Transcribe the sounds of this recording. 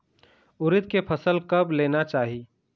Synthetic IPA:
ʊɾɪt̪̚kepʰəsəlkəbleːnat͡ʃaːɦi

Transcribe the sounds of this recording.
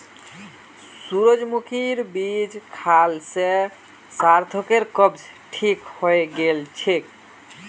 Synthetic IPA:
ssuɾod͡ʒmukʰiɾbid͡ʒkʰalse | saɾt̪ʰokeɾkəbd͡ʒʈʰikhojɡelt͡ʃʰik

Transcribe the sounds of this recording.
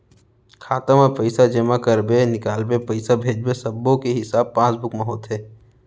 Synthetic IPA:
kʰaːt̪əmapəɪsad͡ʒɐmakɐɾbenɪkaːlbepɐɪsabʱeːd͡ʒbesɐbːõkeɦɪsaːb̚pãːsbʊkmaɦoːt̪ɦɛː

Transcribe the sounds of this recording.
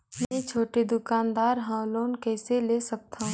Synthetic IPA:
mẽt͡ʃʰoːʈed̪ʊkaːnd̪aːɾɦãwloːnkɛːseleːsɐk̚t̪ʰã

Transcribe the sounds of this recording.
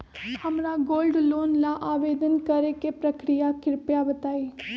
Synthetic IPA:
hɐmɾaɡoːlɖloːnlaʔaːʋeːd̪ənkɐɾekepɾɐkɾijakɪɾpjabət̪aːi

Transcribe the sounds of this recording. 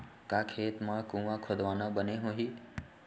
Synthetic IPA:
kaːkʰeːt̪mãːkũːʋãkʰoːd̪ʋaːnãbəneɦõːɦiː

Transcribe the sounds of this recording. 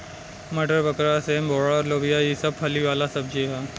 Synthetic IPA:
mɐɖəɾbəkɾasemboːɽɔːɾloːʋijajisɐb̚hʰɐliʋaːlasɐb̚d͡ʒeɦɛː

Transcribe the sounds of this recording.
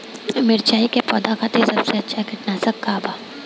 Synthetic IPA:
mɪɾt͡ʃaːikepɔ̰ːd̪axaːt̪esɐbseɐtːʃʰakɐʈnaːsɐkːaːba

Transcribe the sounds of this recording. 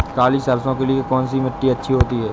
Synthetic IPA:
kaːliːsəɾsõːkelɪekɔːnsiːməʈːiːətːʃʰiːɦoːt̪iːɦɛː

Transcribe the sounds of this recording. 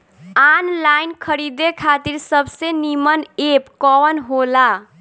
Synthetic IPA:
anlajnkʰʌɾid̪ekʰat̪iɾsʌbsenimʌnepkʌwʌnɦola

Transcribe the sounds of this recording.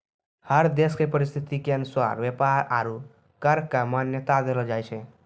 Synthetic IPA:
həɾd̪eskepəɾist̪ʰit̪ikenswa̰ɾʋepaɾa̰ɾu | kəɾkamanjət̪ad̪eləd͡ʒajt͡ʃʰɛ̃

